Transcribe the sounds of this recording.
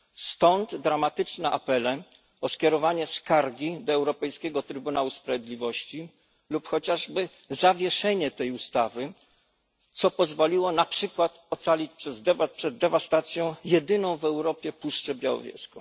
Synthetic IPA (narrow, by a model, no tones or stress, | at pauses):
st̪ɔnd̪d̪ɾamat̪ɘt͡ʂnɛʔa̰pɛlɛ | ɔskʲjɛɾɔvaɲɛskaɾɡʲid̪ɔɛwɾɔpɛjskʲɛɡɔt̪ɾɘbunawuspɾavʲjed̪lʲivɔɕt͡ɕi | lupxɔt͡ɕaʐbɘ | zavʲjɛʂɛɲɛt̪ɛjust̪avɘ | t̪sɔpɔzvɔlʲiwɔnapʂɘkwat̪ɔt̪salʲit͡ɕpʂɛzd̪ɛvat̪̚pʂɛd̪ːɛvast̪at̪sʲjɔ̃w̃jɛd̪ɘnɔ̃w̃vɛwɾɔpʲjɛpuʂt͡ʂɛbʲjawɔ̰vʲjɛ̰skɔ